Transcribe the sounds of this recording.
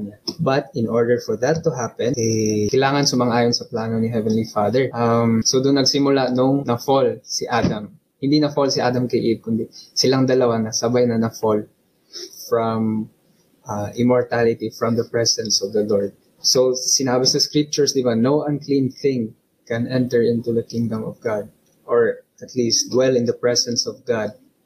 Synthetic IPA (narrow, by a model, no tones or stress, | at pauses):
nabɐt̪ɪnɔɹd̪ɛɹfɔɹd̪ɐt̪ːʊɦapɛ̃nɛjkɐjlaːŋɐnsʊmɐŋʔaːjonsɐplaːnonɪɦɛvɛnlifaːd̪ɛɹʔamsod̪ʊnːɐɡsɪmʊlanʊŋnɐfolsiʔaːd̪ɐm | hɪ̃nd̪inɐfolsɪʔaːd̪ɐmkɐʔib̚kʊnd̪ɛsɪlaŋd̪ɐlɐwanɐsɐbajnɐnɐfol | fɹɔm | ʔaʔɪmɔɹt̪alɪt̪ifɹɔmd̪ɐpɹɛsɛ̃nsɔvd̪ɐlɔɹd̪̚ | sowsɪnaːbɪsɐskɹip̚t͡ʃʊɹsd̪ɪbanowʔɐ̃nklĩnθɪ̃ŋ | kɛ̃nɛ̃nt̪ɛɹɪ̃nt̪uðɐkɪ̃ŋd̪ɐ̃mɔvɡad̪̚ | ʔɔɹʔɐt̪listd̪wɛlɪ̃nd̪ɐpɹɛsɛnsɔvɡad̪̚